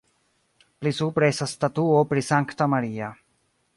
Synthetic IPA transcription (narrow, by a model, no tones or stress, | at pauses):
plisupɾesast̪at̪uopɾisaŋkt̪amaɾiːa